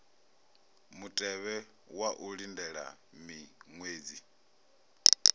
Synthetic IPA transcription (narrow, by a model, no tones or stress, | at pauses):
mutʼɛβɛ | waʔuɺindɛɺa̰ | miŋweːd͡zi